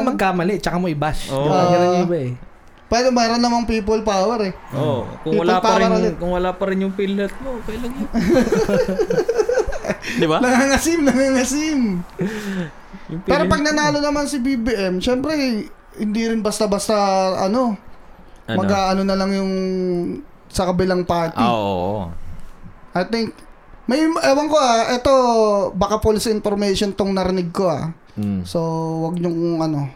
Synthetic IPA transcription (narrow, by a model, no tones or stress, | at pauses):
mɐɡ̚kːaːmɐlɛt͡ʃɐkamoʔɪbaʃd̪ɪaaɡɐɐnbaɛ | pɛːɾomɛːɾonnɐmɐŋpiːp̬olpaːwɛɾɛ | ʔokʊŋiːwɐlolapaɐːɾɐɾɐkʊŋwɐlaːpɐɾɪnjʊŋpilːɛt̪̚mokɐjlɐŋj | d̪ɪbalɐŋaŋɐsimlɐŋaŋɐsim | jʊŋpɛːɾopɐɡ̚nɐnaːlo̞nɐmansɪbibiʔɛmʃɛmpɾɛ | hɪnd̪iɾɪnbɐst̪abɐst̪aʔɐno̞ | mɐɡaːʔɐno̞nɐlɐŋjʊŋ | sɐkɐbɪlaŋpaːt̪ɪo̰ʔ | ʔɐjt̪ɪŋk̚ | mɐjmʔɛwɐŋkoʔaʔɛt̪o̞bɐkapolɪsɪnfoɾmɛjʃont̪oŋnɐɾɪnɪɡ̚ko̞a̰ | so̞wɐɡ̚ɲʊŋʔɐno̞